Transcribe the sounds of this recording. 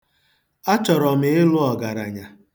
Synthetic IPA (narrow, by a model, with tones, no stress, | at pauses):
a˦t͡ʃɔ˨ɾɔ˨mɪ˨˦ɪ˦lʊ˦ɔ˨ɡa˨ɾa̰˨ɲa˨